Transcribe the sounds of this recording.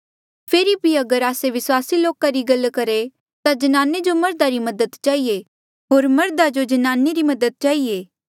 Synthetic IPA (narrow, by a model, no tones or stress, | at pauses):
pʰeːɾibʱiɐɡəɾaːseʋɪswaːsiloːkaɾiɡɐlkɐɾe | t̪ad͡ʒɐnaːned͡ʒomɐɾd̪aɾimɐd̪əd̪t͡ʃaːie | ɦoːɾmɐɾd̪ad͡ʒod͡ʒɐnaːneɾimɐd̪əd̪̚t͡ʃaːɦieː